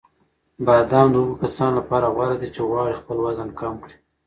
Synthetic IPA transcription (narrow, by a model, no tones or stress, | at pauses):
bad̪ɑnd̪əuɡukasɑnlapɑɾaɣwɑɾad̪it͡ʃeɣwɑɽixpəlwazənkɑmkɽi̥